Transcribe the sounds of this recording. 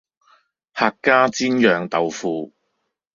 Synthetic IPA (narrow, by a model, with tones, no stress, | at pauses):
haː˧kːaː˥t͡siː˥njœː˨˧ŋt̪ɐ˨wfuː˨˧